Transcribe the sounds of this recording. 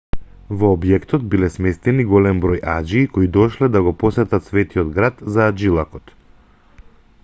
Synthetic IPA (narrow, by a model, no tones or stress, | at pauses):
vɔːbjɛkt̪ɔt̪̚bilɛsmɛst̪ɛniɡɔlɛmbɾɔjʔad͡ʒiːkoid̪ɔʃlɛd̪aɡɔpɔsɛt̪at̪svɛt̪iɔd̪ɡɾat̪zaːd͡ʒilˠakɔt̪